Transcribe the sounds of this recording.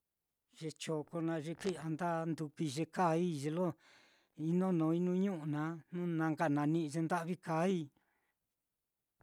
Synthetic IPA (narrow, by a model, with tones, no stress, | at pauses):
ʐ̥e˧t͡ʃo˨ko˧nã˧ʐe˧ki˦˨a˧nd̪a˦nd̪u˧kʷi˧ʒe˧ka˦i˦ʒe˧lo˦ | i˧nõ˦nõː˧˦i˦nũ˦ɲũ˦ʔu˨nã˧˦nũ˦nã˧ŋɡa˧˨nã˧nĩ˦˧ʒe˧nd̪a˦ʔβi˦ka˧˦i˦